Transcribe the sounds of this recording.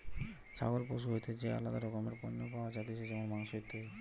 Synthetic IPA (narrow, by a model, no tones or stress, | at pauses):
t͡ɕʰa̰ɡolpɾoʃ̬uɦojt̪ed͡ʑea̰lːad̪aɾokomeɾponːopaoad͡ʑat̪et͡ɕʰed͡ʑeboŋmaŋʃot̪e